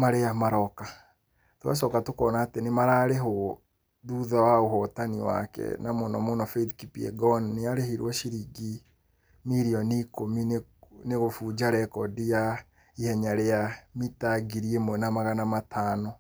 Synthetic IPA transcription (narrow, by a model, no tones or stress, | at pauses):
maɾeamaɾɔka | toa̰ʃɔkatokɔnaːtenemaɾaːɾeɦo | ðuðawaoɦɔtaniwa̰kɛ̰namonɔmonɔfɛdkipiɛ̰ɡɔnneaɾehiɾwɔʃiɾiɡi | miɾiɔnikominneɣofuːd͡ʒaɾɛkɔdija | ihɛɲaɾeamitaɡiɾiemwɛnamaɣanamatʰaːnɔ